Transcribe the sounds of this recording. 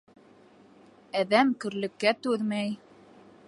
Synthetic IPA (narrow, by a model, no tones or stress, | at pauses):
æðæmkɵ̆ɾlɘ̆kːæt̪ʉðmæj